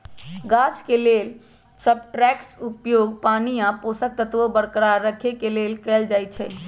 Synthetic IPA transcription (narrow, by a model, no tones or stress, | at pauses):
ɡaskelel | səbʈɾɛkʈsupjoːɡpaːniãposək̚t̪ət̪ʋobəɽkəɾaɾːəkʰekelelkɛːld͡ʒajt͡ʃʰɛ